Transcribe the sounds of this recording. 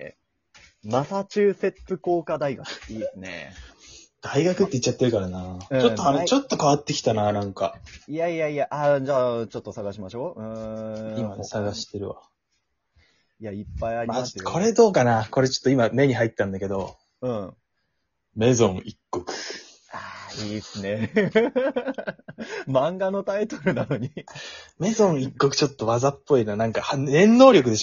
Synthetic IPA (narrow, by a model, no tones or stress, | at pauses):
ḛ | masat͡ɕɨːse̞t͡sɨko̞ːkad̪aiɡakɯ̥iːsɨne̞̰ | d̪̥aiɡakɯ̟t̪ːeitt͡ɕːat̪ːeɾɯ̟kaɾanaɯ̃t͡ɕoːoaɾet͡ɕo̞t̪ːo̞kaβat̪ːekʲi̥t̪ananãŋkaijaijaijaʔad͡ʑaːt͡ɕo̞t̪ːo̞saɡaɕimaɕo̞ːɯ̟̃imasaɡaɕi̥t̪e̞ɾɯ̟βa̰ | iaipːaiaɾiakʰo̞ɾe̞d̪o̞ːkanako̞ɾe̞t͡ɕo̥t̪ːoimame̞ɲ̟iɦait̪ːãnd̪ake̞d̪o̞ | ɯ̟̃ː | me̞zõ̞ɰikːokɯ̟̥ | aiːsɨne̞ | mãŋɡano̞t̪ait̪o̞̥ɾɯ̟nano̞ɲ̟ime̞zõɰ̃ikːo̞kɯ̟̥t͡ɕo̞t̪ːo̞βazapːo̞inanãŋkahnẽ̞nːo̞ːɾʲo̞k̬ɯ̟d̪e̞ɕ